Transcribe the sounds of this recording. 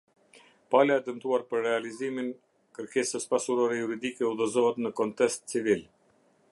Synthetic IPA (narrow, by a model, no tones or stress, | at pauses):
palaɛd̪ənt̪uaɾpəɾːɛalizimin | kəɾkɛsəspasuɾɔɾɛjuɾid̪ikɛuðɔzɔɦɛt̪nəkɔnt̪ɛst̪t͡sivil